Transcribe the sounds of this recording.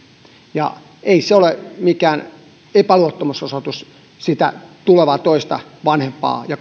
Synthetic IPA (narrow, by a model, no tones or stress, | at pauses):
jɑ̰ | eiseolemikæːn | epæluot̪ːomusosot̪us | sit̪æ̰t̪uleʋɑːt̪oist̪ɑ̰ʋɑnhempɑ̰ːjɑ